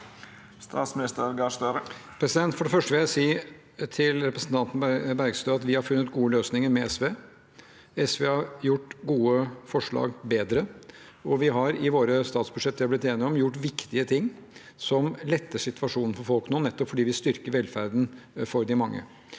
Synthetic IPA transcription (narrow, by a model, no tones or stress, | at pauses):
st̪ɑ̰ːt̪smɪnɪst̪əɾɡɑʂt̪øɾpʰɾɛsɪd̪ɛnt̪fɔɖɛfœʂʈəʋɪlæɪsiː | t̪ʰɪlɾɛpɾəsnt̪ʰɑnt̪n̩bæɾɡst̪øːɑt̪ʋɪhɑɾfʉnːət̪ɡuːəløːsnɪŋəɾmɛɛsʋeː | ɛsʋeːhɑɾjʊʈːɡuːəfɔʂɭɑ̰ːɡbeːd̪ɾə | ɔʋɪɦɑɾɪʋoːɾəst̪ɑːt̪sbʉʂɛt̪ːɑblɪt̪eːnɪɔmjʊʈːʋɪkt̪ɪət̪ʰɪŋː | sɔmlɛt̪ːəʂɪt̪ʋɑʂuːnn̩fɔɾfɔlˠknuːnɛt̪ːɔpfɔɖiːʋɪst̪ʏɾkəɾʋɛlfæɾd̪n̩fɔɾd̪ɪmɑŋːə̰